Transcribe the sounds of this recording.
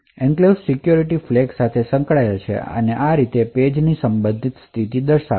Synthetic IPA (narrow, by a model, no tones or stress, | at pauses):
ɛ̃ŋklessikjuɾiʈifleɡsat̪ʰesəŋkɭajat͡ʃʰḛə̰neʔaɾit̪eped͡ʒnisəmbə̃nd̪ʱit̪st̪ʰit̪id̪əɾʃa